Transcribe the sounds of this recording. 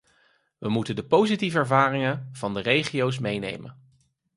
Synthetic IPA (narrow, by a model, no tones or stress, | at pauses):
ʋəmutəndəpowzitivəɛɹvaːrɪŋənv̥ɑndərejχiows̬mejnḛjmə̰n